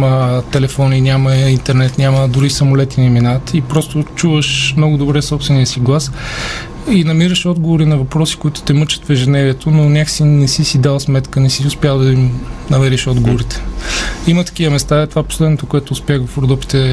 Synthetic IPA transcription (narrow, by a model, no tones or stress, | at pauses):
mət̪ɛlɛfɔninʲamɐint̪ɛɾnɛt̪nʲaməd̪ʊɾisɐmolɛt̪inɛminat̪ipɾɔst̪ot͡ʃuvəʃmnɔɡʊd̪obɾɛsɔpst̪vɛnijəsiɡlˠas | inɐmiɾəʃɔd̪ɡovoɾinɐvɐpɾɔsi̥koit̪ʊ̥t̪ɛmɤt͡ʃə̥t̪vɛʒɛnɛviɛt̪ʰononʲaxsinɛsisid̪alˠsmɛt̪kənɛsiʊspjalˠd̪ɐimnɐvɛɾɛʃɔd̪ɡovoɾit̪ɛ̥imət̪ɐ̥k̟ivəmɛst̪aɛt̪ovapo̥slɛd̪not̪okoɛt̪oːspʲaxɡofpɾod̪uk̚t̪i̥t̪ɛ